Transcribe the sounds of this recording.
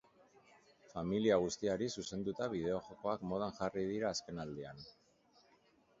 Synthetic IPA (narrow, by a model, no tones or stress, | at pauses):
familiaɣ̞ust̪iaɾisuse̞nd̪ut̪aβ̞iðe̞o̞xoko̞akmo̞ð̞anʝarið̞iɾaːske̞nald̪ean